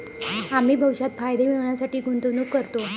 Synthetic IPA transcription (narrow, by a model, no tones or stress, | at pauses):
am̤iːbʱəʋʂat̪fajd̪emeʋɳjasaʈiːɡʱunt̪unuːkːəɾt̪o